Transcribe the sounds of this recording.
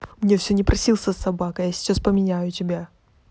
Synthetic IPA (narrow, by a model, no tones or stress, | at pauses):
mnʲe̞fsʲɵnʲɪpɾʔɐsʲilˠsʲəsːɐbakəjasʲɪ̥t͡ɕaspəmʲɪnʲæjʊtʲɪbʲa